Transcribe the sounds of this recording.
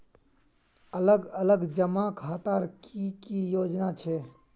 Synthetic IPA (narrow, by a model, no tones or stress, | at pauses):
ələɡələɡd͡ʒəmakʰaːt̪aːɾkikijoːd͡ʒnat͡ʃʰeː